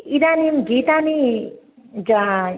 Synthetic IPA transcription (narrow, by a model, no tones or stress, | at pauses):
id̪animɡit̪ani | d͡ʒa